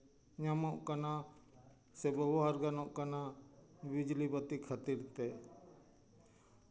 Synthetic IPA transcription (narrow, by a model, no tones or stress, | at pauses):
ɲamɔʔkana | sɛbɛbɔɦaɾɡanɔʔkana | bid͡ʒlibət̪ikʰat̪iɾt̪ɛ